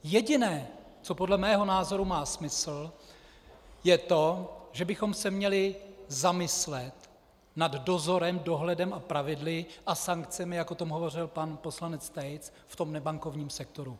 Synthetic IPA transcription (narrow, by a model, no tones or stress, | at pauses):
jɛɟɪnɛː | t͡so̞podlɛmɛːɦo̞naːzo̞ɾumaːsmɪsl̩ | jɛt̪o̞ʒɛbɪxo̞msɛmɲɛlɪzamɪslɛt̪ | naddo̞zo̞ɾɛmdo̞ɦlɛdɛmʔapɾavɪdlɪʔasaŋkt͡sɛmɪjakʔot̪o̞mɦovo̞r̝ɪlpanpo̞slanɛt͡st̪ɛjt͡s | ft̪o̞mnɛbaŋko̞vɲiːmsɛkt̪o̞ɾu